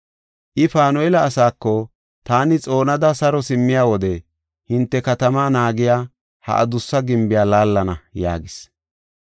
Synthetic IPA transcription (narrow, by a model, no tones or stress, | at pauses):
ʔɪfaːnɔɛlɐːsaːkːɔ | t̪aːnɪt͡sʼo̞ːnɐd̪ɐsɐɾɔsɪmːɪjaːwɔd̪ɛ | hɪnt̪ːɛkɐt̪ɐmaːnaːɡɪjaː | hɐ̰ʔɐ̰d̪ʊsːɐɡɪmbɪjaːlaːlːɐnɐja̰ːɡɪs